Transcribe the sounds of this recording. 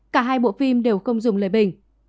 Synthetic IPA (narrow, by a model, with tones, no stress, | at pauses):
kaː˧˩ɦaː˧jɓo̰˧˨fi˧mɗe˨˩wxə˧wŋ͡mzʊ˨˩ŋ͡mləː˨˩jɓï˨˩ŋ̟